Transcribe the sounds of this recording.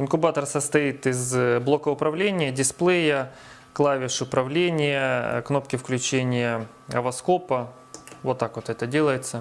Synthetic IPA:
ɪnkʊbat̪ərsəst̪ɐit̪ɪzblˠo̞kəʊpɾɐvlʲenʲɪjədʲɪsplˠejə | klˠavʲɪʂʊpɾɐvlʲenʲɪjəkno̞p̚kʲɪfklʲʉt͡ɕenʲɪjə | ɐvɐsko̞pɐ | vot̪ːakʋot̪ɛt̪ədʲelˠəjɪt̪sə

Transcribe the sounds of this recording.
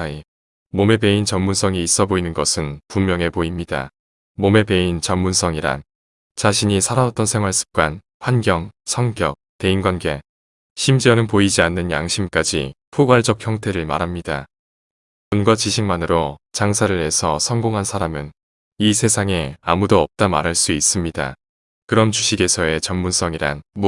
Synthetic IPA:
i | mome̞pe̞int͡ɕʌmmːunsʰʌŋiːs͈ʌboinɯnɡʌsʰɯnpummjʌŋe̞poimɲida̰ | mome̞pe̞int͡ɕʌmmunsʰʌŋiɾa̰n | t͡ɕaɕʰiɲisʰaɾaʌt͈ʌnsʰe̞ŋɦwaɭs͈ʰɯ̥p̚k͈wan | ɸwanɡjʌŋsʰʌŋɡjʌk̚te̞inɡwanɡe̞ | ɕʰimd͡ʑiʌnɯnpoid͡ʑianːɯnja̰ŋɕʰimk͈ad͡ʑḭpʰoɡwaɭd͡ʑʌk̚çjʌŋtʰe̞ɾɯɭma̰ɾɦamɲida̰ | kunɡwat͡ɕiɕʰiŋmanɯɾot͡ɕaŋsʰaɾɯɭe̞sʰʌsʰʌŋɡoŋɦansʰaɾamɯn | isʰe̞sʰaŋe̞amudoʌp̚t͈ama̰ɾɦaɭs͈uis͈ɯmɲida̰ | kɯɾʌnt͡ɕuɕʰiɡe̞sʰʌe̞t͡ɕʌmːunsʰʌŋiɾa̰nm

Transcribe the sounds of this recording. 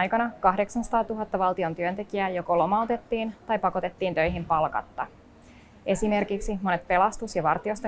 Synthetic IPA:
jkɑnɑkɑhdeksɑnsɑ̥t̪ɑːt̪uɦɑt̪ːɑʋɑlˠt̪io̞nt̪yønt̪e̞k̟iæːjo̞kolo̞mɑut̪e̞t̪ːiːnt̪ɑjpɑko̞t̪e̞t̪ːiːnt̪ø̞jɦimpɑlkɑ̰t̪ːɑ | ʔe̞sime̞rkiksimo̞ne̞t̪̚pe̞lɑst̪usjɑʋɑrt̪io̞st̪e

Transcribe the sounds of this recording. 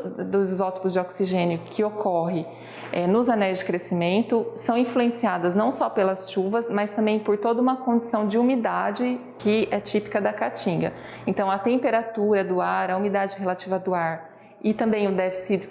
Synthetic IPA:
d̪ʊzzɔt̪i̥pʊzd͡ʒɪoksiʒẽnjʊkʰɪokɔɦɪ | ɛnʊzɐnɛjzd͡ʒɪkɾesimẽnt̪ʊsɐ̃w̃ĩfluẽsiad̪ɐznɐ̃w̃sɔpelɐsʃuvɐsmɐjst̪ɐ̃mbẽj̃poɾt̪od̪ɐũmɐkõd͡ʒɪsɐ̃w̃d͡ʒɪumid̪ad͡ʒɪkɪɛt͡ʃipi̥kɐd̪ɐkat͡ʃĩɡɐ̰ | ẽnt̪ɐ̃w̃ɐt̪ẽmpeɾat̪uɾɐd̪ʊaɾɐumid̪ad͡ʒɪɦelat͡ʃivɐd̪ʊaɾ | ɪt̪ɐ̃mbẽj̃ʊd̪ɛvɪsiɾ

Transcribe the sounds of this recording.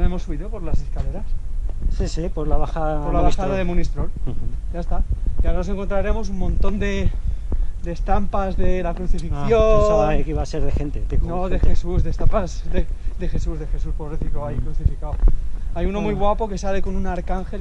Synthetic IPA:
e̞mo̞sːuβiðopo̞ɾlas̬e̞skale̞ɾassisipoɾlaβaxaðapoɾlaβaxaðaðemunist̪ɾoljaest̪aiawɾanos̬e̞ŋkont̪ɾaɾe̞mo̞s̬ummõ̞nt̪o̞nd̪e̞ | d̪e̞st̪ampazðe̞lakɾuθifiθjoaekiβaseɾðexent̪et̪eknoðexesuzðest̪ampazðed̪e̞xe̞suzðe̞xe̞suspoβɾeθikoaikɾuθifikawajuno̞mujɣwapo̞ke̞sale̞ko̞nunaɾkaŋxe̞l

